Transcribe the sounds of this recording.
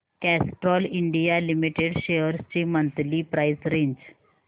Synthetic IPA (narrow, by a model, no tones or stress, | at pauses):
kæsʈɾɔliɳɖijalimiʈeɖɕeəɾst͡ɕemənt̪liːpɾajsɾẽɲd͡ʑ